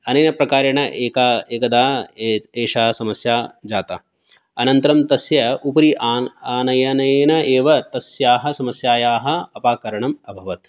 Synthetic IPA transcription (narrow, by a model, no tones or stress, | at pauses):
ɐnɐjnɐpɾɐkaːɾɐɳɐʔeːkaːeːkɐd̪aːeːʃaːɐsɐmɐsjaːd͡ʒaːt̪ɐ | ɐnɐnt̪ɐɾɐmt̪ɐsjɐupɐɾiʔaaːnɐjɐneːnɐeːʋɐt̪ɐsjaːɦɐ̆sɐmɐsjaːjaːɦɐ̆ɐpaːkɐɾɐɳɐmɐbʱɐʋɐt̪